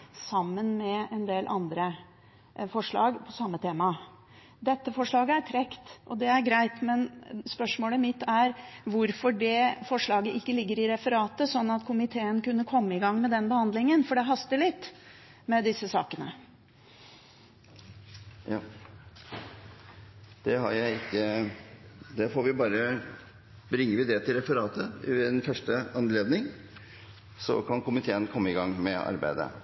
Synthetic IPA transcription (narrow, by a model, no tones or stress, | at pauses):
sɑmːənmɛɛnd̪eːlʔɑnd̪ɾə | fɔʂɭɑ̰ːɡpʰɔsɑmːət̪ʰeːmɑ | d̪ɛt̪ːəfɔʂɭɑːɡəæɾʈʰɾɛkt̪ʔɔd̪ɛæɾɡɾæɪt̪mɛnspœʂmoːləmɪt̪ːæɾʋʊɾfɔɖɛfɔʂɭɑːɡəʔɪkːəlɪɡːəɾɪɾɛfəɾɑːt̪əsɔnːɑt̪kʰʊmɪt̪ʰeːənkʉnːəkʰɔmːəɪɡɑŋːmɛd̪ɛnbəhɑnd̪lɪŋənfɔɖɛɦɑst̪əɭɪt̪ː | mɛd̪ɪsːəsɑːkənə | jɑː | d̪̥ɛhɑ̰ɾjæɪɪkːə | d̪ɛfoːɾʋɪbɑːɾə | bɾɪŋːəɾʋɪd̪ɛt̪ʰɪlɾɛfəɾɑːt̪ʰəɛnfœʂʈəɑnleːd̪nɪŋ | sɔ̰kʰɑnkʰʊmɪt̪ʰeːənkʰɔmːəɪɡɑŋːmɛɑ̰ɾbæ̰ɪd̪ə̰